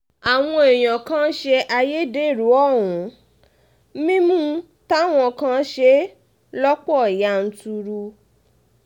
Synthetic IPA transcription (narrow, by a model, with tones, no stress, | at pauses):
a˨w̃ɔ̃˧e˨j̃ã˨kã˦ʃe˧ʔa˧je˦˨de˦˨ɾu˨˦ɔ˦˨wũ˨˦ | mĩ˦mũ˦ | ta˦˨w̃ɔ̃˧kã˦ʃe˦ | lɔ˦k͡pɔ˦˨ja˨˦n̩˧tu˧ɾu˧